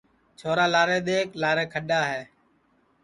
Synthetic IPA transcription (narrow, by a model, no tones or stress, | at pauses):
t͡ʃʰoːɾaːlaːɾeːɗ̪eːklaːɾẽːkʰəɗaːɦeː